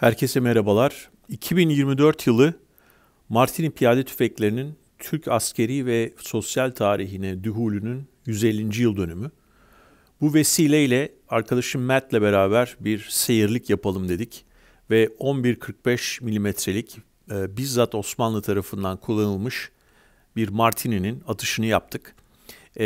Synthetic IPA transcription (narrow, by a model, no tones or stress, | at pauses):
hæɾcʰe̞sɛmeɾabalˠaɾ̥ | icʰibinjiɾmid̪ø̞ɾt̪jɯlˠɯ | maɾt̪ʰinipʰijaːd̪ɛt̪ʰy̥fɛclʲe̞ɾinin | t̪ʰyɾcʰascʰe̞ɾivɛso̞sjalʲt̪ʰaːɾiɦinɛd̪yɦuːlʲynynjyze̞lʲːind͡ʒijɯlˠd̪ø̞nymy | buve̞siːlʲeilʲɛ | aɾkʰad̪aʃɯmːæt̪lʲɛbe̞ɾaːbæɾbiɾse̞jiɾlʲicjapʰalˠɯmd̪e̞d̪ic | vɛo̞nbiɾkʰɯɾk̚bɛʃmilʲimɛt̪ʰɾe̞lʲicː | bizːat̪o̞smanlˠɯt̪ʰaɾafɯnd̪ankʰulˠːanɯlˠmɯʃ | biɾmaɾt̪ʰinininat̪ʰɯ̥ʃɯnɯjap̚t̪ʰɯk